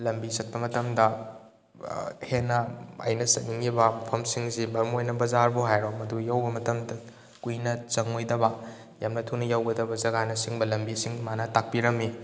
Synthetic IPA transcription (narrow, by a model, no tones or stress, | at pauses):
lɐmbisɐk̚pɐmɐtɐmdɐ | henːɐɐ̰jnɐsɐt̚niŋibɐmɐpʰɐmsiŋsibɐɾmojnɐbɐzaɾbuɦajɾomɐdujawbɐmɐtɐmdɐ | kujnɐt͡ʃɐŋojdɐbɐ | jamnɐtʰunɐjawɡɐdɐbɐzɐɡanɐsiŋbɐlɐmbisiŋmanɐtak̚piɾɐmːi